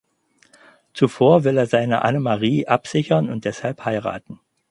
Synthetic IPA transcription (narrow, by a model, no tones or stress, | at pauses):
t͡sufoːɐvɪleːɐzaɪnə̰ʔa̰nəmaʁiːʔapz̥ɪçɐnʊnt̚d̥ɛshalphaɪʁa̰ːtn̩